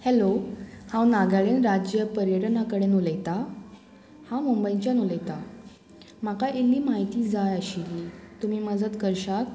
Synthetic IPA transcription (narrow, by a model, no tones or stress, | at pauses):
helohãwnaɡaɭenɾad͡ʑjəpəɾjəʈnakəɽenuləjt̪a | hãmumbəjt͡ɕjanuləjt̪a | m̤akaʔelːiːmaɦit̪iːd͡zajəɕilːiːt̪um̤iːməd͡zət̪kəɾɕak̪